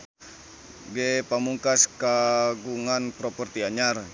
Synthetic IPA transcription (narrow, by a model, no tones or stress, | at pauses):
ɡepamuŋkaskaɡuŋanpɾɔpɔrt̪iaɲar